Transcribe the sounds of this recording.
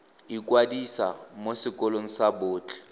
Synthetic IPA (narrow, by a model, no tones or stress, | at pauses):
ikʼwadisa̰mosɪkʼɔloŋ̩saboːt͡ɬʰʼɛ̥